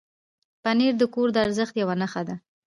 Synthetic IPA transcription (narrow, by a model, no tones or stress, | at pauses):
paneɾd̪əkoɾd̪əaɾzəxt̪jawanaxad̪a